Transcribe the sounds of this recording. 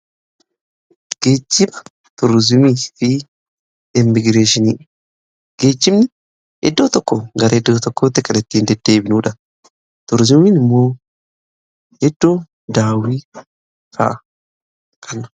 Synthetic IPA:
ɡ̥eːt͡ʃːɪmɐ | t̪ʊɾzʊmiːfi | ɪmːɪɡɾeːʃɪniː | ɡ̥eːt͡ʃːɪmnɪ | ɛ̰d̪ːoːt̪ɔkːɔɡɐɾɐɛd̪ːoːt̪ɔkːoːt̪ːɛkɐlɐt̪ːiːnd̪ɛd̪ːe̞ːbɪnuːᶑɐ | t̪ʊɾzʊminɪmːoː | hɛd̪ːoː | d̪aːwiː | ka̰ʔ | kʰʼɐnɐ̥

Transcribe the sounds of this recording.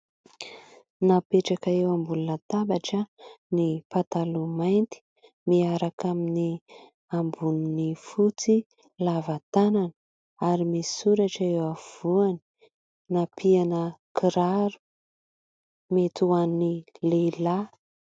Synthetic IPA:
napeʈ͡ʂakaewambulunət̪abaʈ͡ʂənipat̪alumajnt̪i̥ | miaɾakamini | ambuninifut͡si | lavat̪ananə | aɾimisuɾaʈ͡ʂewav̥uani̥ | napianəkiɾaɾu̥ | met̪uanilela

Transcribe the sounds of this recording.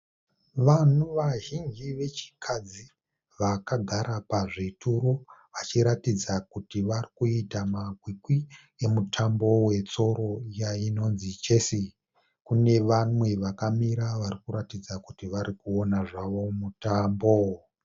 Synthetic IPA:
ʋanuʋaɦiŋɡiʋe̞t͡ʃi̥kʰad͡zi | ʋakaɡʱaɾapaʐitʰuɾo̞ʋat͡ʃiɾatid͡zakutiʋarikuitamaɡʱwikwi | e̞mutʰambo̞we̞t͡so̞ɾo̞jaino̞nzit͡ʃe̞si | kune̞ʋamwe̞ʋakamiɾaʋaɾikuɾatid͡zakutiʋaɾikuo̞naʐaʋo̞mutaːmbo

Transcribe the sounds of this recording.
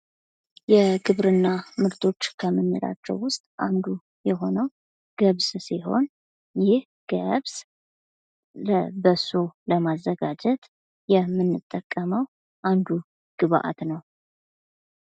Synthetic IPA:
jɛɡɨβɾɨnːamɨɾt̪ʰo̞t͡ʃːkʰəmːɨnːɨɾa̰t͡ʃːɛ̰wːʊst̪ʼa̰nd̪u | jɛɦo̞nəw | ɡ̥əβssiɦo̞̰n | jɪh | ɡ̥əβs | ləbəsuləmazːəɡad͡ʒɛt̪ʼ | jɛmːɨnːɨt̪ʼːəkʼːəməw | ʔand̪u | ɡ̥ɨβaʔa̰t̪nəw

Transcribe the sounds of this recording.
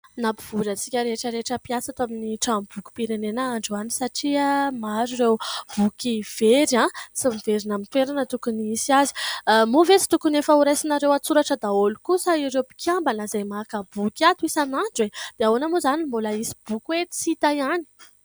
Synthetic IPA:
napi̥v̥ulət͡sikʲəɾeʈ͡ʂəɾeʈ͡ʂəpiasat̪aminiʈ͡ʂambuku̥piɾenenaaɳɖ͡ʐuani̥saʈ͡ʂiamaɾuɾewv̥ukiv̥eɾãsimiveɾinamit̪weɾanət̪ukuniisiazi̥movet͡si̥t̪ukunefəuɾajsinaɾewat͡suɾaʈ͡ʂəd̪aolukusaiɾewpi̥kʲʰambanəzajmakəbukʲat̪uisanaɳɖ͡ʐwed̪̥eaonamozanimbolaisi̥b̥ukʲwe̥t͡sit̪ajani̥

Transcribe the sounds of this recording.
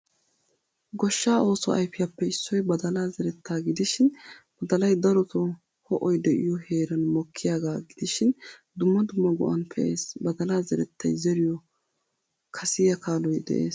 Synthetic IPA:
ɡɔʃːaːʔo̞ːsɔɐ̰jfɪjɐpːɛɪsːɔjbɐd̪ɐlaːzɛɾɛt̪ʰːaːɡɪd̪ɪʃɪnb̥ɐd̪ɐlɐjd̪ɐɾɔt̪ɔ | hɔʔɔjd̪ɛʔɪ̰jɔhe̞ːɾɐnmɔkʰːɪjaːɡaːɡɪd̪ɪʃɪnd̪ʊmːɐd̪ʊmːɐɡʊ̰ʔɐnpʰɛʔeːsbɐd̪ɐlaːzɛɾɛt̪ːɐjzɛɾɪjɔ | kʰɐsɪjɐkaːlɔjd̪ɛ̰ʔḛːs

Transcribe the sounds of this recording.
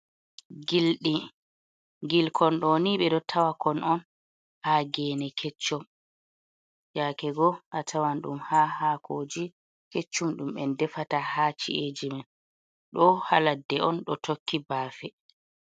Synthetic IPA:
ɡilɗi | ɡilkʰɔnɗɔniɓɛdɔtʰawakɔnʔɔn | haɡɛːnɛkʰɛt͡ʃːɔm | jakɛɡɔʔatʰawanɗṵmhahaːkʰoːd͡ʒi | ket͡ʃːumɗumɓɛndɛfatahat͡ʃḭʔed͡ʒimɛn | ɗɔha̰ladːɛʔɔnɗɔtokːibaːfɛ

